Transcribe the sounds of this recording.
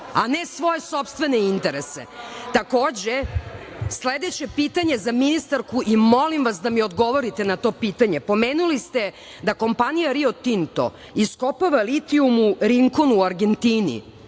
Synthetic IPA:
anesʋo̞je̞so̞pst̪ʋe̞neint̪e̞ɾesḛt̪akoːd͡ʑe | sled̪e̞t͡ɕe̞pit̪aɲe̞zaminist̪aɾkuʔimo̞limʋasd̪amiod̪ɡo̞ʋo̞ɾit̪enat̪o̞ːpiːt̪aɲe̞po̞meːnulist̪e̞ | d̪ako̞mpanijaɾiot̪int̪o̰ | iskopaʋalit̪iumuɾiŋko̞nuaɾɡe̞nt̪iːnḭ

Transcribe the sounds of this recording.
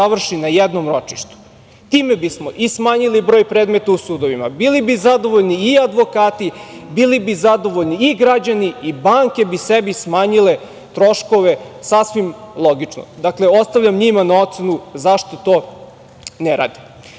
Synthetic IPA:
aʋr̩ʃinajɛd̪nomɾo̞t͡ʃi̥ʃt̪u̥ | t̪iːmebismoʔismaːɲilibɾo̞ːjpɾeːd̪met̪ausuːd̪o̞ʋima̰bilibizad̪o̞ʋoʎniːad̪ʋo̞kaːt̪ibilibizad̪o̞ʋoʎniːɡɾad͡ʑaniibaːŋke̞bisebismaːɲile | t̪ɾo̞ʃko̞ʋe̞sasʋimlˠoɡit͡ʂno̰d̪akle̞o̞st̪aʋʎʲamɲimanao̞t̪senuzaʃt̪o̞t̪o̞ː | neɾa̰ːd̪i̥

